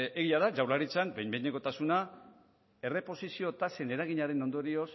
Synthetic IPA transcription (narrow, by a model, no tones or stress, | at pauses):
e̞ɣiaðad͡ʒawlaɾit͡sambejmbejɲeŋko̞t̪asuna | e̞re̞po̞sisio̞t̪ase̞ne̞ɾaɣ̞iɲaɾe̞no̞nd̪o̞ɾio̞s